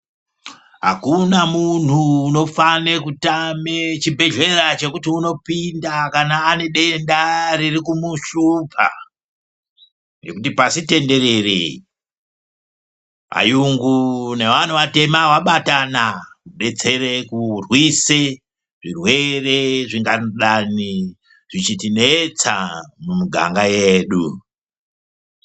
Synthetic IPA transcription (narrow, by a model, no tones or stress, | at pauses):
ɦa̰kunamun̤uːno̞fanekutamet͡ʃibʱe̞ɮe̞ɾat͡ʃe̞kutiuno̞pindakanaːne̞ɗe̞ndaɾirikumuʃupʰa̰ | ne̞kutipasite̞nde̞ɾe̞rḛi | a̰juŋɡune̞ʋan̤uʋate̞mawaɓatanakuɗe̞t͡se̞ɾekurwise | ʐirwe̞re̞ʐiŋɡanɗani | ʐ̥it͡ʃitinet͡samumuɡʱa̰ŋɡajeːɗu